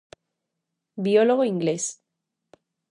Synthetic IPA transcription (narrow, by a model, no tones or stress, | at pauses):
bioloɣ̞oiŋɡles